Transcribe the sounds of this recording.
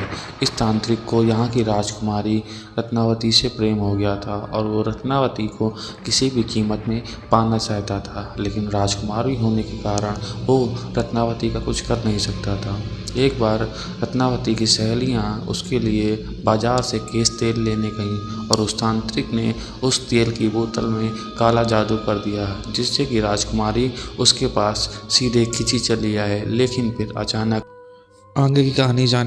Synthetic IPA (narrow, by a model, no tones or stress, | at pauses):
ɪst̪ãːnt̪ɾɪkːojɐɦãkiɾaːd͡ʒkʊmaːɾi | ɾɐt̪ʰnaːʋət̪isepɾeːmɦoɡɐjat̪ʰaɔːɾʋoɾɐt̪ʰnaːʋət̪ikokɪsibʱikiːmət̪mẽ | paːnat͡ʃaːɦt̪at̪ʰaːleːkɪnɾaːd͡ʒkʊmaːɾbʱiɦoːnekekaːɾəɽ̃ʋoɾət̪ʰnaːʋət̪ikakʊt͡ʃʰkɐɾnɐɦĩsɐk̚t̪at̪ʰaː | eːkbaːɾ | ɾət̪ʰnaːʋət̪ikisɛɦlijãʊ̰skelie | baːzaːɾsekeːst̪eːlːeːnekɐɦĩɔːɾʊst̪ãːnt̪ɾɪkne | ʊst̪eːlkiboːt̪əlmẽ | kaːlad͡ʒaːd̪ukɐɾd̪ijaɦd͡ʒɪsːekiɾaːd͡ʒkʊmaːɾiʊskepaːsːiːd̪ʱekʰɪt͡ʃit͡ʃɐlijaɦɛːleːkɪnpʰɪɾɐ̰t͡ʃaːnək̚ | ãːŋɡkikɐɦaːnid͡ʒaːn